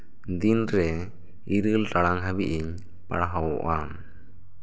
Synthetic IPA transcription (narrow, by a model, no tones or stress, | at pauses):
d̪inɾɛ | iɾɨlʈaɽaŋɦəbiʔiɲ | pa̰ɽaɦawɔ̰ʔam